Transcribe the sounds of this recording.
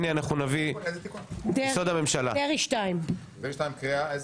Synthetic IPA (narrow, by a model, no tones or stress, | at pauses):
nianaχnunaviezt̪ikudsod̪ame̞mʃalaeʁiʃtaim | veiʃt̪ajĩmkʁiaʔez